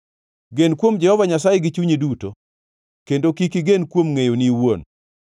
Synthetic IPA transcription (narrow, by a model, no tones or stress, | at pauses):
ɡenkwomd͡ʒɛhɔvaɲasajeɡit͡ʃuɲeduto | kendokikiɡenkwomŋejoniwon